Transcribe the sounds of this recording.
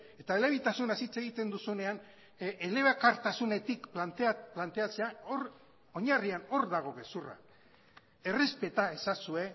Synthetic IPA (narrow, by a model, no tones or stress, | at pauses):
e̞t̪aele̞β̞it̪asunasit͡se̞ɣ̞it̪e̞nd̪usune̞an | ele̞βakaɾt̪asune̞t̪ikpant̪plant̪e̞at͡se̞aor | o̞ɲariano̞ɾðaɣo̞ke̞sura̰k | e̞re̞spe̞t̪ae̞sasue̞